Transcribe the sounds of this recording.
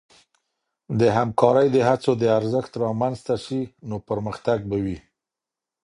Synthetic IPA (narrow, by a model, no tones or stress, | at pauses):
d̪əɦamkɑɾəjd̪əɦat͡sod̪əaɾzəxt̪ɾɑmanzt̪aʃinopəɾməxt̪aɡ̚bawi